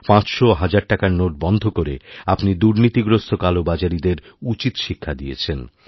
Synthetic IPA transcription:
pãt͡ɕʃoɦad͡ʑaɾʈakaɾnoʈ̚bɔnd̪ʱokoɾḛapnid̪uɾnit̪iɡɾost̪ʰokalobad͡ʑaɾid̪eɾ | ut͡ɕit̪ʃikʰːad̪ijḛt͡ɕʰen

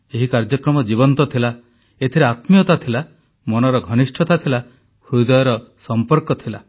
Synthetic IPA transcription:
eɦikaɾd͡ʒɔkɾɔmɔd͡ʒibɔnt̪ɔt̪ʰila | et̪ʰiɾeat̪mijɔt̪at̪ʰila | mɔnɔɾɔɡʱɔnisʈʰɔt̪at̪ʰila | hɾujd̪ɔjɔɾɔsɔmpɔɾkɔt̪ʰila

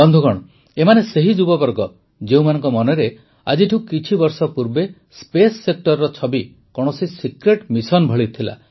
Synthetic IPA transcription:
bɔnd̪ʱuɡɔɽ̃ | emaneseɦid͡ʒubɔbɔɾɡɔ | d͡ʒeũmanɔŋkɔmɔnɔɾe | a̰d͡ʒiʈʰiũkit͡ʃʰibɔɾsɔpuɾbe | spesːek̚ʈɔɾːɔt͡ʃʰɔbi | kɔɽ̃ɔsisikɾeʈmisɔnbʱɔɭit̪ʰila̰

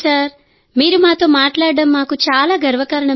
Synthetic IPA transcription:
saːɾ | miːɾumaːt̪o̞ːmaːʈlaːɽɐɽɐmːaːkut͡ʃaːlaːɡɐɾʋɐkɐɾɐɳɐ

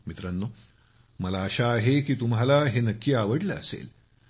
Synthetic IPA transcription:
mit̪ɾɐnːu | mɐlaːʃaːɦekit̪umɦɐlaːɦenɐkjaːʋɐɽlɐ̰ːsḛːl

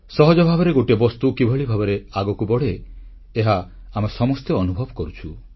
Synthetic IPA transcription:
sɔɦɔd͡ʒɔbʱabɔɾeɡoʈebɔst̪ukibʱɔɭibʱabɔɾeaɡɔkubɔɽeː | ɦaː | masɔmɔst̪eɔnubʱɔbɔkɔɾut͡ʃʰu

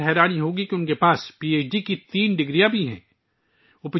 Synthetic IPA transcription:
ɦɛːɾaːniɦoːɡikiʊnkepaːspiːeːt͡ʃɖikit̪iːnɖɪɡɾijãbʱiɦɛ̰̃ː | ʊp

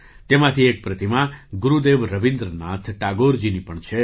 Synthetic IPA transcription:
t̪emãt̪ʰiek̚pɾət̪imãɡuɾud̪eʋɾəʋĩnd̪ɾənat̪ʰʈaɡoɾd͡ʒinipəɳt͡ʃʰe

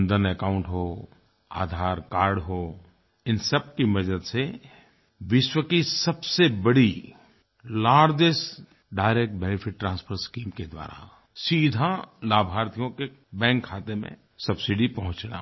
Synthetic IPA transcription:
nd̪ənekaːʊ̃ɳʈɦo | a̰ːd̪ʱaːɾkaːɾɖɦo | ɪnsəb̚kimɐd͡ʒəd̪se | ʋɪʃwəkisɐbsebɐɽi | laːɾd͡ʒes | ɖaːɪɾeːk̚ʈ̚bɛnɪpʰɪʈːɾãːnspʰəɾskiːmked̪wa̰ːɾa̰ | siːd̪ʱalaːbʱaːɾt̪ʰijõkebɛ̃ːŋkʰːaːt̪emḛ̃ | sɐbsɪɖipɐɦʊ̃t͡ʃna̰

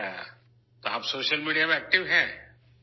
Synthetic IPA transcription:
t̪oɦabsoːʃəlmiːɖijameɛːk̚ʈɪʋɦɛ̃ː

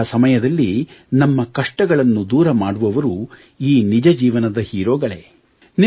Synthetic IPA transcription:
ɐsɐmɐjɐd̪ɐlːinɐmːɐkɐʂʈɐɡɐɭɐnːud̪uːɾɐmaːɽuʋɐʋɐɾu | iːnid͡ʒɐd͡ʒiːʋɐnɐd̪ɐhiːɾoːɡɐɭḛ | n

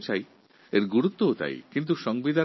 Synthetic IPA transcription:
t͡ɕʰaj | eɾɡuɾut̪ːoot̪a̰jkint̪̬uʃɔŋbid̪ʱa

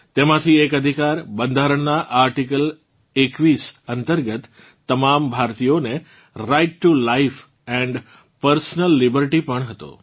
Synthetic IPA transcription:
t̪emãt̪ʰiekəd̪ʱikaɾbə̃nd̪ʱaɾəɳnaʔaɾʈikəl | ekʋisənt̪əɾɡət̪ː | əmambʱaɾt̪ijone | ɾaɪʈːulaif | ɛ̃ɳɖ | pəɾsnəlːibəɾʈipəɳɦət̪o̰

